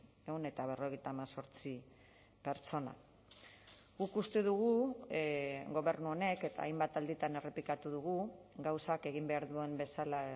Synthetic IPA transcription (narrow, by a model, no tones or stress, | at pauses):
eune̞t̪aβ̞e̞ro̞ɣ̞e̞jt̪aːmaso̞ɾt͡si | pe̞ɾt͡so̞na̰ | ɣukust̪e̞ðuɣu | ɡo̞βe̞ɾnuo̞ne̞ke̞t̪a̰ːjmbat̪ald̪it̪ane̞re̞pikat̪uðuɣuɡawsake̞ɣ̞imbe̞aɾðue̞mbe̞sala